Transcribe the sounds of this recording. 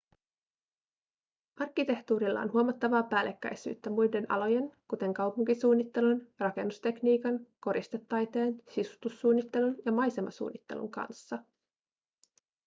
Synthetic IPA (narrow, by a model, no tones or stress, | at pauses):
ɑrk̟ːit̪e̞ht̪uːɾilːɑ̰o̰nɦuomɑt̪ːɑʋɑːpæːlʔe̞kːæ̰jsy̰ːt̪ːæmujde̞nɑ̰loje̞nkut̪e̞ŋkɑwpuŋkisuːnːit̪ːe̞lunrɑke̞̰nːust̪e̞kniːkɑnko̞ɾʔist̪e̞t̪ːɑjt̪e̞ːnsisu̥t̪usːuːnːit̪ːe̞lunjɑmɑjse̞mɑ̰sṵːnːit̪ːe̞̰lṵŋkɑ̰nsːɑ